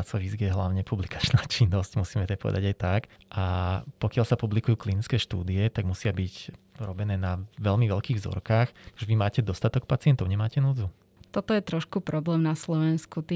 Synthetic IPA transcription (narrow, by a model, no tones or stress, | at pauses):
at͡sɔʋizɡijɛɦlaʊɲɛpublikḁt͡ʃnaːt͡ʃinːɔscmusiːmɛt̪ɛpɔ̰ʋɛ̰d̪a̰ɟajt̪ak | ʔapɔkɪalsapublikujuːklinit͡skɛːʃt̪ṵːd̪iɛt̪aɡmusɪabiɟɾɔbɛnɛːnaʋɛlmiʋɛlkiːɣvzɔ̰ɾkaːxʒɛʋimaːcɛd̪ɔst̪at̪ɔk̚pat͡sɪɛnt̪ɔʊɲɛmaːcɛnuːd͡zu | t̪ɔt̪ɔjɛt̪ɾɔʃkupɾɔblɛːmnaslɔʋɛnskut̪i